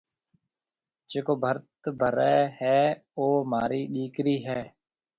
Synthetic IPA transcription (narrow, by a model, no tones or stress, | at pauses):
d͡ʒeːkoːbʱəɾt̪bʱəɾɛːhɛːoːmaːɾiːɗiːkɾiːɦɛː